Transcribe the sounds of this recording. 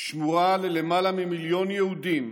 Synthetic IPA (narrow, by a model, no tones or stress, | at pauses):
ʃmuʁalele̞malamimiljo̞njehud̪im